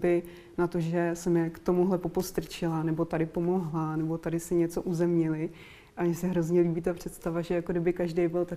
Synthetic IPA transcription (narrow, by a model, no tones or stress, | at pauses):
bɪ | nat̪o̞ʒɛsɛmjɛkt̪o̞muɦlɛpo̞post̪r̩t͡ʃɪlanɛbo̞t̪adɪpo̞mo̞ɦlanɛbo̞t̪adɪsɪɲɛt͡so̞ʔuzɛmɲɛlɪ | ʔamɲɛsɛɦɾo̞zɲɛliːbiːt̪apr̝̥ɛt̪st̪avaʒɛjakodɪbɪkaʒdejbɪlt̪a